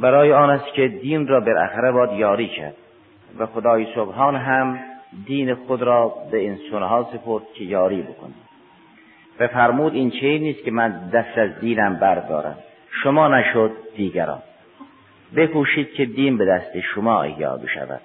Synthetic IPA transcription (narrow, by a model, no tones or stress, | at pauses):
bæɾɒːjeɑːnæst̪kʰed̪iːnrɒːbelʔæ̰xæɾebɒːd̪jɒːɾiːcʰæ̰ɾd̪̥̚ | væxod̪ɒːjesobɦɑːnɦæmd̪iːnexod̪ɾɒːbeinsonhɑːsepʰoɾd̪̥̚kʰejɒːɾiːbokʰoniː | væfæɾmuːd̪int͡ʃʰeiːnːiːskʲʰemænd̪æst̪æzd̪iːnæmbæɾd̪ɒ̰ːɾæ̰m | ʃomɒːnæʃod̪ːiːɡæɾɒ̰ːn | bekʰuːʃiːd̪̥̚kʰed̪iːnbed̪æst̪eʃomɒːḛjjːɒ̰ːbḛʃæ̰væ̰d̪̥